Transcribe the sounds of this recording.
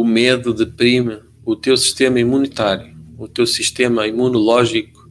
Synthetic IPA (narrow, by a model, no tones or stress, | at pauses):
umeðuðɨpɾimɨ | ut̪ewsi̥ʃt̪emɐimunit̪aɾjuːt̪ewsiʃt̪emɐimunulˠɔʒiku̥